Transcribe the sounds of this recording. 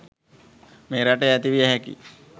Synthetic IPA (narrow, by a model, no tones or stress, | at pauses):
meːɾaʈeæt̪iʋijəɦækḭ